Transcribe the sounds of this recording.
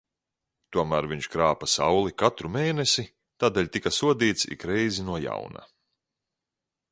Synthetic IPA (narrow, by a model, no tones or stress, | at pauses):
t̪uɔmæːɾviɲt͡ʃkɾaːpasawlˠikat̪ɾumeːnesi | t̪aːd̪eːlʲt̪ikasuɔd̪iːt̪sḭkɾɛjzinuɔja̰wna̰